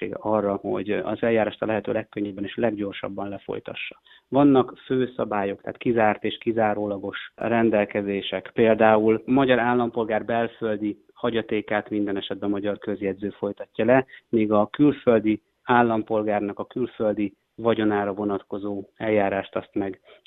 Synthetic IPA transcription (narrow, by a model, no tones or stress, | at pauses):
ḛːɡɒrːɒho̞̰ɟɒ̰zɛljaːɾaːʃt̪ɒlɛɦɛt̪ø̰ːlɛkːøɲːɛbːɛneːʃlɛɡɟo̞rʃɒ̰bːɒnlɛfo̰jt̪ɒ̰ʃːɒ̥ | vɒnːɒkføːsɒbaːjo̞kt̪a̰ːt̪kizaːrt̪eːʃkizaːɾoːlɒɡo̞ʃrɛnd̪ɛlkɛzeːʃɛkpeːld̪aːulmɒɟɒɾaːlːɒmpo̞lɡaːrbɛlfø̞ld̪i | hɒɟɒt̪eːkaːt̪mind̪ɛnɛʃɛd̪̚bɛmɒɟɒrkø̞zjɛd̪zøːfo̞jt̪ɒcːɒlɛmiːɡɒkylfø̞ld̪i | aːlːɒmpo̞lɡaːrnɒkɒkylfø̞ld̪i | vɒɟo̞naːɾɒvo̞nɒt̪ko̞zoːɛlːaːɾaːʃt̪ɒst̪mɛɡ